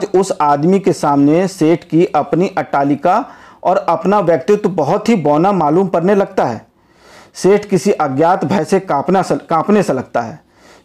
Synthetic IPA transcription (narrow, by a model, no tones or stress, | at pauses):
d͡ʒʊsaːd̪mikesaːmneseːʈʰkiʔɐpniʔɐʈaːlɪka | ɔːɾɐpnaʋjək̚t̪jʊt̪bɐɦʊt̪ɦibɔːnamaːluːmkɐɾnelɐɡt̪aɦɛ̰ː | seːʈʰkɪsiʔɐɡjaːt̪bʱɐjsepakãːpneselɐɡ̚t̪aɦɛː